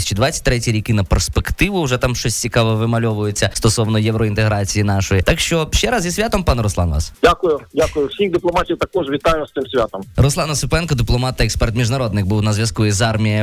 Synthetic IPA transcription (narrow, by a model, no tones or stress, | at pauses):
sʲt͡ʃɪd̪ʋat͡sʲːɐ̥tʲt̪ːɾɛtʲiɾʲikɪnɐperspekt̪ɪʋʊʊʒɛt̪amʃt͡ʃɔsʲt͡sʲikɑʋɔʋɪmɐlʲɔʋʊjʊt͡sʲːɐst̪ɔsɔʋnɔjɛwɾɔint̪eɦɾɑt͡sʲijinɑʃɔjit̪ɑkʃt͡ʃɔʃt͡ʃɛɾɑzjisʲʋʲat̪ɔmpɑnɾɔslˠɑ̰nʋɑ̰sdʲakʊjʊdʲakʊjʊwsʲixd̪ɪplˠɔmɑtʲiwt̪ɐkɔʐʋʲit̪ajʊʋɐst̪ɪmsʲʋʲat̪ɔmɾɔslˠɑnɐsʊpɛnkɔd̪ɪplˠɔmɑt̪ːɐɛkspɛrt̪mʲiʒnɐɾɔd̪nɪk̚buwnɐzʲʋʲjɐskuizɑrmʲijɐ